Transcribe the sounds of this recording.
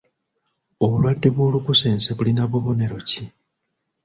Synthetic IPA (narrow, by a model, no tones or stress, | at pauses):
o̞βulwadːe̞βoːlukuse̞ːnseβulinaβuβo̞ne̞ɾo̞ci